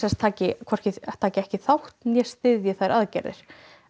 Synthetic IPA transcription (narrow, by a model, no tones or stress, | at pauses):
ɛnst̪ʰaːcɪkʰvɔr̥cɪt̪ʰaːcɪɛhcɪθawht̪njɛst̪ɪðjɪθaðɾʔaðcɛ̰ɾɪ̰ɾ̥